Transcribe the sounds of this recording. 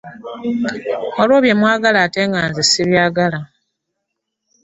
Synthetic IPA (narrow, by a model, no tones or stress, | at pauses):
o̞lwo̞ːβje̞mwaːɡalaːte̞ːŋɡaːnzisiβjaːɡala